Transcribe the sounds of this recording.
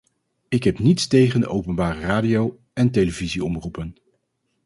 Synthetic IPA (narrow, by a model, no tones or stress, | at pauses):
ɪkɦɛpnitstejχəndəʔowpənbaːrəraːdijow | ɛntejləviziɔmrupən